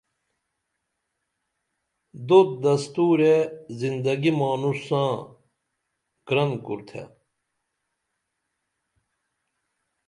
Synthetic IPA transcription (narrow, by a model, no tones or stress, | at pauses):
d̪ot̪̚d̪ɐst̪uːɾezind̪ɐɡimaːnusãː | ɡ̥ɾɐnkṵɾt̪ʰḛ